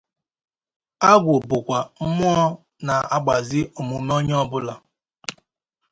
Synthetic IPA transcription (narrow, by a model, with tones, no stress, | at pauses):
a˦ɡʷʊ˨bʊ˨kʷa˨m̩˦mʊ˦ɔ˦ | na˨a˦ɡ͡ba˨zɪ˦o˨mu˨˦me˦o˦ɲ˦ɔ˦bʊ˦la˨